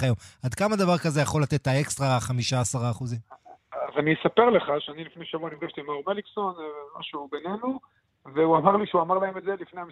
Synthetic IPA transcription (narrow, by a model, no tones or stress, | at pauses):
ajo̞mad̪kamad̪avaʁkazejaχo̞lat̪e̞t̪ae̞kst̪ʁaχamiʃaːsaʁaːχuzimazaniesape̞ʁle̞χaʃeanilifnejʃavuanidavʃt̪imaumelikso̞nma̰ʃubene̞nu | veuamaʁliʃeuamaʁlaemed̪zelifnejam